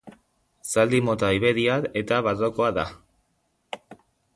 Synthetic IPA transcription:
sald̪imo̞t̪aiβeðiaɾe̞t̪aβaroko̞aða̰

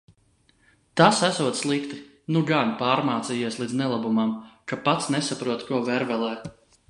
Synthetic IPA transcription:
t̪asæsuɔt̪sslˠikt̪i | nuɡanpaːɾmaːt̪sijiɛslˠiːd̪znɛlˠabumamkapat̪snɛsapɾuɔt̪kuɔvɛɾvɛlˠɛː

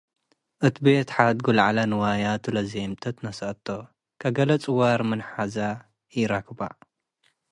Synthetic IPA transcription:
ʔɨt̪ibet̪ħad̪ɡulʕalanɨwajat̪ʰɨlɐzemt̪ʰɐt̪nɐsɐɐt̪ʰːo | kʰɐɡɐlɐt͡sʼɨwaɾmɨnħaza | jɪɾakba̰

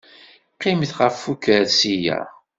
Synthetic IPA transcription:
qːɪmθʁəfːukəɾsijæ̰

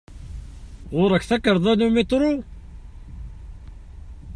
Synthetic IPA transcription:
ʁʊɾˤəkθækːəɾˤðˤænumet̪ˤɾˤo

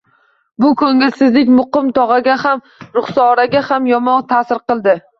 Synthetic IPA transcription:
bʊkʰɵŋɪlsɪzlɪkʲmʊqɨmt̪ʰɒʁɑɡʲaham | ɾʊχsɒːɾaɡʲahamjɒmɒnt̪ʰasɪɾqɨlˠd̪ɪ

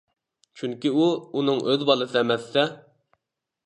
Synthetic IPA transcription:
t͡ʃʰyŋkʲiuunɨŋʔøðbɑlˠɨsɨɛmɛsːɛ

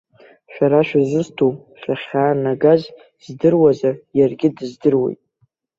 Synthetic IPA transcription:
ʃᶣaɾaʃᶣazɨztʰow | ʃaχʲaːnaɡaz | zdɨrwazajarɡʲɪdɨzdɨrwe̞̰jtʼ

